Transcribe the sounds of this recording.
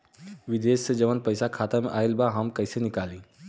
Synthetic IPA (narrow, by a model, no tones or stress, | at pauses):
ʋid̪essed͡ʑəʋənpəjsakʰat̪amʔailbaɦamkəjsenikaliː